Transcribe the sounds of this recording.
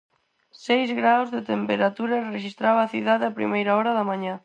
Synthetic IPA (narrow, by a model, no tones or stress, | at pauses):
sejzɣɾawzðet̪empeɾat̪uɾɐreʃist̪ɾaβaːθiðaðeapɾḭmejɾaɔɾaðamãɲa